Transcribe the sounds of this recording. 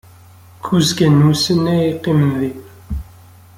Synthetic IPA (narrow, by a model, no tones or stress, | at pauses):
kʰuzkænusənæiqːimənði